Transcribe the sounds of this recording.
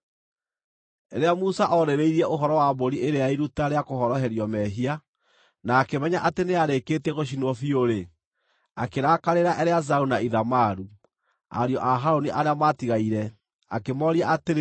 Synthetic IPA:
eɾeamusaʔɔɾeɾeiɾiɛʔoɦɔɾɔwamboɾiʔeɾeaiɾutaɾeakohɔɾɔɦɛɾjɔmɛɦia | naːkemɛɲaʔateneaɾekeːtɛɣoɕ̬inwɔfioɾe | akeɾaːkaɾeɾaʔɛɾeazaunaiðamaɾu | a̰ɾjɔʔaɦaɾoniʔaɾeamatiɣaiɾɛ | a̰kemɔɾiaateɾ

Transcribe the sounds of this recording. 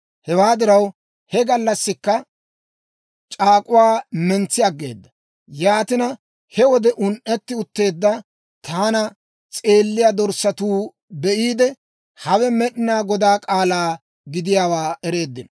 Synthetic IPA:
hɛwaːd̪ɪɾɐw | hɛɡɐlːɐsːɪkːɐ | t͡ʃʼaːkʼʊwaːmɛnt͡sːɪɐɡːe̞̰ːd̪ːɐ | jaːt̪ɪnɐ | hɛwɔd̪ɛʔʊnʔɛt̪ːɪʊt̪ːe̞ːd̪ːɐ | t̪ʰaːnɐ | t͡sʼe̞ːlːɪjad̪ɔɾsːɐt̪uː | bɛʔiːd̪ɛ | hɐwɛmɛɗɪnaːɡɔd̪aːkʼaːlaː | ɡɪd̪ɪjaːwaːɛɾe̞ːd̪ːɪnɐ

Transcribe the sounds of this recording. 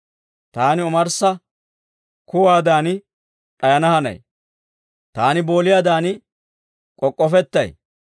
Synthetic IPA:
t̪aːnɪɔmɐɾsɐ | kʊwaːd̪aːnɪ | ᶑʼɐjɐnɐhɐnɐ̰j | t̪aːnɪbo̞ːlɪjaːd̪aːnɪ | kʼɔkʼːɔfɛt̪ːɐj

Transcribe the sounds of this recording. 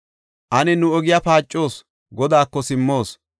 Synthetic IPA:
ʔɐnɛnʊɔɡɪjapaːt͡ʃʼːo̞ːs | ɡɔd̪aːkːɔsɪmːo̞ːs

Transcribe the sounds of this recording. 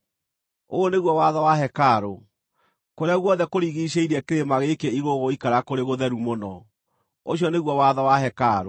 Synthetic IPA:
oːneɣwɔwaðɔwaɦɛkaːɾo | koɾeaɣwɔðɛkoɾiɣiɕeiɾɛkeɾemaɣekeiɣoɣoikaɾakoɾeɣoðɛɾumonɔ | oɕiɔneɣwɔwaðɔwaɦɛkaɾo

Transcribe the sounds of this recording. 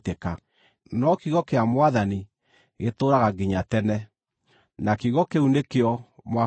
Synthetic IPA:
teka | nɔkiɣɔkeamwaðani | ɣetoɾaɣaɡiɲatɛnɛ | nakiɣɔkeunekeɔmwa

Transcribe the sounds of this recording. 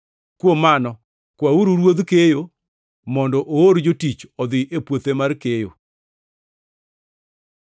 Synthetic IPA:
kwomanɔ | kwauɾuɾwod̪kejo | mɔndɔʔooɾd͡ʒotit͡ʃɔd̪ɪʔepwot̪emarkejo̰

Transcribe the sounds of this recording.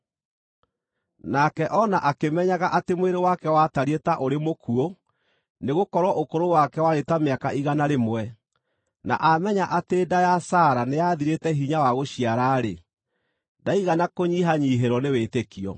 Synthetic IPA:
nakɛʔɔnaʔakemɛɲaɣaʔatemweɾewakɛwataɾietaʔoɾemokuo | neɣokɔɾwɔʔokoɾowakɛwaɾetameakaʔiɣanaɾemwɛ | na̰ʔamɛɲaʔateːdajasaɾanejaðiɾetɛɦiɲawaɣoɕiaɾaːɾe | daiɣanakoɲiɦaɲiɦeɾɔnewetekiɔ̰

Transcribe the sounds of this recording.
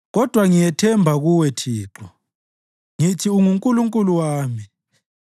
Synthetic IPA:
ɣɔd̥ʱwaŋijɛtʰɛmbʱaɣuwɛtʰiːǁɔ | ŋitʰiuŋuŋkʼuluŋkʼuluwaːmi

